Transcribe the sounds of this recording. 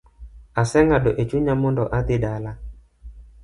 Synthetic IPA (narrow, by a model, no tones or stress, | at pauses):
asɛŋaɗɔʔet͡ʃuɲamɔndɔʔat̪ɪɗala